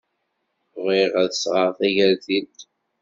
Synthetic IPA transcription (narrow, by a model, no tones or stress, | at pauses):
ʁiʁæðəsʁəɾˤθæʝæɾðit̪